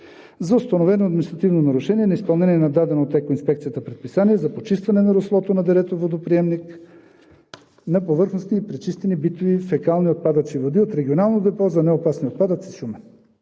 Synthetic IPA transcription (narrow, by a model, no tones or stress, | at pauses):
zɐʊst̪ɐnovɛnoɐd̪minist̪ɾɐt̪ivnonɐɾuʃɛniɛnɐispɐlˠnɛniɛnɐd̪ad̪ɛnot̪ɛkoinspɛkt̪sijət̪əpɾɛt̪pisaniɛzɐpot͡ʃist̪vɐnɛnɐɾoslˠɔt̪onɐd̪ɛɾɛt̪ovod̪opɾiɛmnik | nɐpovɤɾxnost̪iːpɾɛt͡ʃist̪ɛnibit̪ovifɛkalˠniot̪̚pad̪ət͡ʃivod̪iot̪ɾɛɡʲionalˠnod̪ɛpɔzɐnɛopasniot̪pad̪ət̪si̥ʃumɛ